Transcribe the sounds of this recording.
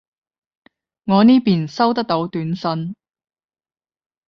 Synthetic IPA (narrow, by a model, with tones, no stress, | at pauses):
ŋɔː˨˧niː˥piː˨nsɐ˥wt̪ɐ˥k̚t̪o˨˥wt̪yː˨˥nsɐ˨˧n